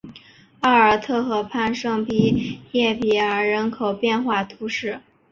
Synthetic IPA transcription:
ɑ˥˩ə˞˨˩t̪ʰɤ˥˩xɤ˧˩pʰa˥˧nʂɤ˥˧ŋpi˥jɛ˥˩pi˨˩ə˞˧˥ɻə˧˥nkʰo˨˩ʊpjɛ˥˧nxwa˥˩t̪ʰu˧˥ʂɻ̩˥˩

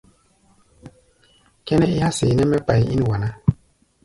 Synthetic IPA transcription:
kɛ˦nɛ˦i˦ha˦se˨nɛ˦mɛ˦pa˨ji˨i˦n˨wa˨na˦

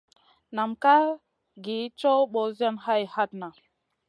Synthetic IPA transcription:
na˨mka˦ | ɡi˨˦t͡ʃo˦ɓo˨˦za˦nha˦jha˦t̚na˨

